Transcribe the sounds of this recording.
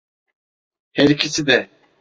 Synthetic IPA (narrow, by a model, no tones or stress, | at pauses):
hɛɾicʰisid̪ɛ